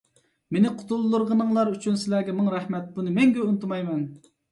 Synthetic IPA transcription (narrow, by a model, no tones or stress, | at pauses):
menɪqʰʊ̥t̪ulˠːuɾʁənɨŋlˠɑɾyt͡ʃʰynsɪlæɾɡʲɛmɨŋɾɛhmɛt̪̚bunɨmɛŋɡʲɛunt̪umɑjmɛn